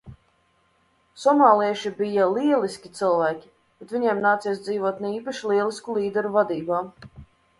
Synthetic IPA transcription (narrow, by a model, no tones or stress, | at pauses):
sɔmaːlˠiɛʃibijaliɛlˠiskʲit̪sɨlˠvæːkʲi̥ | b̥ɛt̪vʲiɲɛɛmnaːt̪siɛs̬d̪ziːvuɔt̪nɛiːpaʃilˠiɛlˠiskulˠiːd̪ɛɾuvad̪iːbaː